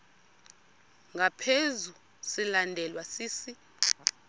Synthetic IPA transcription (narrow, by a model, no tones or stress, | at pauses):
ŋɡʱapʰezu | silandʱɛlwasiːsi